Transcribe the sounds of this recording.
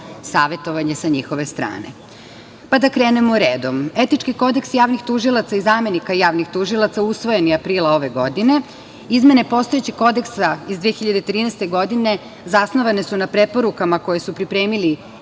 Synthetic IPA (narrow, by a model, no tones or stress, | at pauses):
saːʋe̞t̪o̞ʋaɲe̞saɲixoʋe̞st̪ɾa̰ːne̞̰ | pad̪akɾeːnemoɾeːd̪o̞me̞t̪it͡ʃkiko̞d̪eksjaːʋnixt̪uʒilˠat̪saizaːme̞nikajaːʋnixt̪uʒilˠat̪sausʋo̞jeniapɾiːlao̞ʋe̞ɡo̞d̪ine̞ | izme̞ne̞po̞st̪o̞jet͡ɕixko̞d̪e̞ksaizd̪ʋiexiʎad̪et̪ɾiːnɛst̪e̞ɡo̞d̪ine̞ | zasnoʋane̞sunapɾe̞po̞ɾukamako̞je̞supɾipɾe̞ːmili